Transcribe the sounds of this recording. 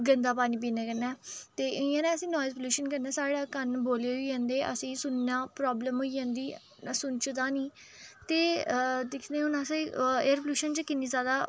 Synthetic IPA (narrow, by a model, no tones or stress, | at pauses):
ɡənd̪aːpaːniːp̬iːnɛːkəɾnɛːt̪eːʔɪãːnɛ̃ːəsĩːnɔːjzpəluːʃənkəɾnɛːsaːɽaːkənboːleːɦoːd͡ʒãːnd̪eːʔə̰sĩːsʊnːãːpɾɔːbləmɦoːiːd͡ʒãːnd̪iː | sʊnt͡ʃt̪ãːniː | t̪eːd̪ɪkʰd̪ẽːʊnãːseieəɾpluːʃənt͡ʃkɪniːzaːd̪aː